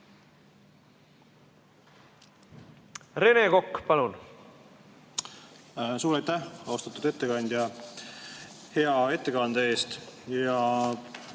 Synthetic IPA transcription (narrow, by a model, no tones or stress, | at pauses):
ɾe̞neko̞kːpɑlun | suːɾɑjt̪æhɑwst̪ɑt̪ːud̪e̞t̪ːekɑnʲd̪̥ʲjɑ | he̞ɑe̞t̪ːˑe̞kɑnd̪̥ɑe̞ːst̪jɑ